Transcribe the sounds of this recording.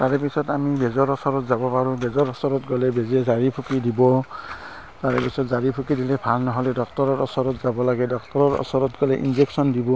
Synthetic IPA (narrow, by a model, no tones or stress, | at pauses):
taɹɛpisɔtamibɛzɔɹɔsɔɹɔtzabɔpaɹũbɛzɔɹɔsɔɹɔtɡɔlɛbezɛzaɹipʰukidibɔ | taɹɛpisɔtzaɹipʰukidilɛbʱalnɔɦɔlɛdɔktɔɹɔɹɔsɔɹɔtzabɔlaɡɛdɔk̚tɔɹɔɹɔ̰sɔɹɔtɡɔlɛʔḭnzeksɔndibɔ